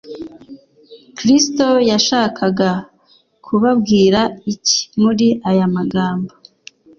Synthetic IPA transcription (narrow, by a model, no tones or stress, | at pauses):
kɾisto̞jaʃaːkʰaɡa | kʰuβabɡiːɾaici̥muɾiʔajamaɡaːmbo